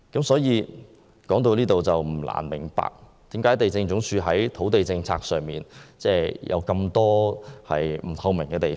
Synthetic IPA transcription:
kɐ˨˥msɔː˨˥jiː˨˧ | kɔː˨˥ŋt̪o˧wliː˥t̪o˨wt͡sɐ˨wm̩˨˩la̰ː˨˩nmɪ˨˩ŋpa̰ː˨k̚ | t̪i˨˥mkaː˥jt̪e˨jt͡sɪ˧ŋt͡ʃʊ˨˥ŋt͡ʃʰyː˧ɦɐ˨˥jt̪ʰo˨˥wt̪e˨jt͡sɪ˧ŋt͡sʰa̰ː˧k̚sœː˨ŋmiː˨˩nt͡sɛː˥˩jʔɐ̰˨˧wkɐ˧mt̪ɔː˥hɐ̰˨jm̩˨˩t̪ʰɐ˧wmɪ˨˩ŋkɛː˧t̪e˨˩

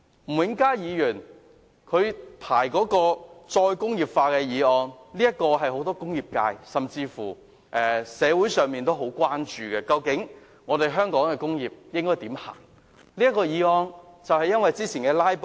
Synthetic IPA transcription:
m̩˨˩wɪ˨˥ŋkaː˥jiː˨˧jyː˨˩n | kʰɵ˨˧ɥpʰaː˨˩jkɔː˨˥kɔː˧t͡ʃɔː˧jkʊ˥ŋjiː˨˩p̚faː˧kɛː˧jiː˨˧ɔː˧ŋliː˥jɐ˥t̚kːɔː˧ɦɐ˨jɦo˨˥wt̪ɔː˥kʊ˥ŋjiː˨˩p̚ka̰ː˧jsɐ˨mt͡siː˧fuː˨˩ | ʔɛː˨sɛː˨˧wuː˨˥jsœː˨ŋmiː˨nt̪o˥wɦo˨˥wkʷwaː˥nt͡ʃyː˨kɛ˧kɐ˧wkɪ˨˥ŋ | ŋɔː˨˧t̪e˨jɦœː˥ŋkɔː˨˥ŋkɛː˧kʊ˥ŋjiː˨p̚jɪ˥ŋkɔː˥jt̪iː˨˥mha̰ː˨˩ŋ | liː˥jɐ˥kːɔː˧jiː˨˧ɔː˧ŋt͡sɐ˨whɐ˨jɐ˥nwɐ˨jt͡siː˥t͡sʰiː˨˩nkɛː˧laː˥jp

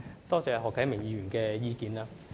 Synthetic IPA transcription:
t̪ɔː˥t͡sɛː˨˧ɦɔː˨kʰːɐ˨˥jmɪ˨˩ŋjiː˨˧jyː˨˩nkɛː˧jiː˧kiː˨˧nlaː˥

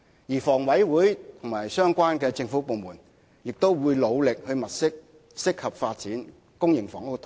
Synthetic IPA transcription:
jiː˨˩fɔː˨˩ŋwɐ˨˥jwuː˨˥jt̪ʰʊ˨˩ŋmaː˨˩jsœː˥ŋkʷaː˥nkɛː˧t͡sɪ˧ŋfuː˨˥po˨˧wmuː˨˩n | jɪ˨k̚t̪o˥wwuː˨˧jlo˨˧wlɪ˨k̚hɵ˧ɥmɐ˨t̚sɪ˥k̚ | sɪ˥k̚hɐ˨p̚faː˧t̚t͡siː˨˥n | kʊ˥ŋjɪ˨˩ŋfɔː˨˩ŋo˥t̪ʰo˨˦

